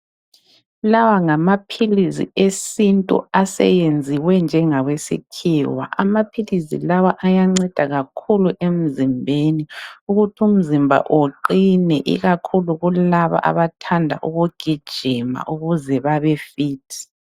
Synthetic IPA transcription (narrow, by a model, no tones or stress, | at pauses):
lawaŋamapʰilizḭesintʼṵasɛ̰jend͡zʱiwɛnd͡ʒʱɛŋaɣwesḭkʰiːwa̰ʔamapʰilizḭlawaʔajaŋ͡ǀɛd̥ʱaɣakʰuluʔem̩zimbʱeniuɣutʰum̩zimbʱa̰ʔoǃinɛʔḭɣakʰuluɣulaβa̰ʔa̰βatʰandʱa̰ʔuɣuɡ̥ʱid̥ʒ̥ʱima̰ʔuɣuzɛβaβɛfiːtʰi̥